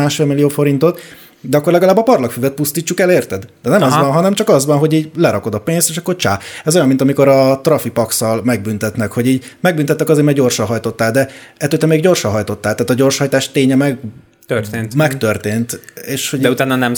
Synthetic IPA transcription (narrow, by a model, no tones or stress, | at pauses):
aːʃfeːmilijoːfo̞ɾint̪o̞t̪ | d̪ɛɒkːo̞rlɛɡɒlaːbɒpɒrlɒkfyːvɛt̪̚pust̪iːt͡ʃːukɛleːrt̪ɛd̪d̪̥ɛnɛmɒzʋɒnɦɒnɛmt͡ʃɒkɒzʋɒnɦo̞ɟiːɟlɛɾɒko̞d̪ɒpeːnst̪eːʃɒkːort͡ʃaːɛzojɒmːint̪ɒmiko̞ɾɒt̪rɒfipɒksɒlmɛɡ̚bynt̪ɛt̪nɛkho̞ɟiːɟmɛɡ̚bynt̪ɛt̪ːɛkɒzeːɾmɛɡɟo̞rʃɒnɦɒjt̪o̞t̪ːaːld̪ɛɛt̪øːt̪ɛmeːɡɟo̞rʃɒnɦɒjt̪o̞t̪ːaːlt̪aːt̪ɒɟo̞rʃhɒjt̪aːʃt̪eːɲɛmɛɡ | t̪ørt̪eːnmɛkt̪ørt̪eːnt̪eːʃhodɛut̪aːnɒnɛm